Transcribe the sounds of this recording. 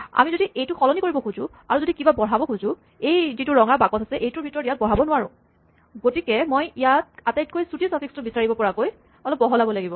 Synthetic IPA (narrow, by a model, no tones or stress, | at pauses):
a̰mizodiʔejtʊxɔlɔnikoɹibɔkʰuzʊ̃ | aɹuzodikibabɔɹ̤abɔkʰuzʊ̃ | ejzitʊɹɔŋabakɔtʰasɛʔejtʊɹbʱitɔɹɔtijat̚bɔɹɦabɔnʊwaɹʊ̰̃ | ɡotikɛmojijat̚atajt̚kojsutisapʰikstʊbisaɹibɔpɔɹakoj | ɔlɔp̚bɔɦɔlabɔlaɡibɔ